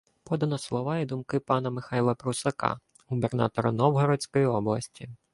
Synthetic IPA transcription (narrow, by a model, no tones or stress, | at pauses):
pɔd̪ɐnɔslˠɔʋɑɛd̪ʊmkɪpɑnɐmɪxɑjlˠɐpɾusɐkɑ̰ | ɦubernɑ̰t̪ɔɾɐ̰nɔwɦɔɾɔt͡sʲkɔjiɔblˠɐsʲtʲi